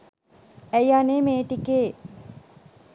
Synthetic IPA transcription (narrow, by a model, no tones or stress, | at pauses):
æjanemeːʈikeː